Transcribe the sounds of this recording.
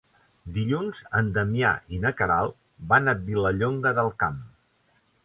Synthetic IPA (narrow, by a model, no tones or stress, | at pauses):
d̪iʎunzənd̪əmia̰ʔinəkəɾalˠ | banət̪̚biləʎoŋɡəðəlˠkam